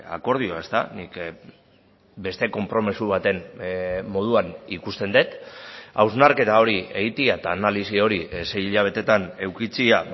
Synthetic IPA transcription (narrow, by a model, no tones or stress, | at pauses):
a̰ko̞ɾð̞io̞e̞st̪a̰nik | be̞st̪e̞ko̞mpɾo̞mesuβ̞at̪e̞nː | o̞ð̞uanikust̪e̞nd̪et̪awznaɾke̞t̪ao̞ɾie̞ɣit̪iat̪aːnalisio̞ɾise̞jiʎaβ̞e̞t̪e̞t̪ane̞wkit͡sia